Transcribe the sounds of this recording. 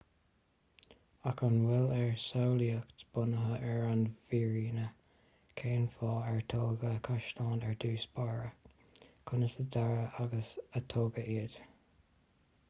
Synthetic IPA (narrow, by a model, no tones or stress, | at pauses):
akʰənwɪlɛɹsawliəktb̥ʊnəɦəʔɛɹanviːɹiːnə | kʰeːnfɑːɛɹt̪ʰoːɡəkʰaʃtɑːnɛɹd̪uːsbaɹə | kʰʊnəsəd̪aɹəaɡəsət̪ʰoːɡəʔeːd̥